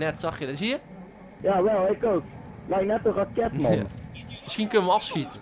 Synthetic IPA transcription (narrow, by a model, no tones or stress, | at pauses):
nɛtsaχjədɔtɪs̬iə | jaːwɛlˠɛkowklɛjknɛtorakɛtmaməskinkønəʋəɑfskitə